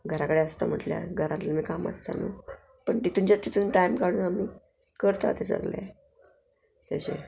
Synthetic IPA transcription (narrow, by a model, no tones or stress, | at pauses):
ɡʱəɾakəɽeəst̪am̤əʈlja̰ɡʱəɾãt̪lanikamə̰st̪a̰nu | pəɳt̪it̪uɲt͡ɕat̪ːit̪ʰuːnʈajmkaɽ̃uːnamiː | kəɾt̪a̰t̪esə̰ɡla̰ | t̪aɕe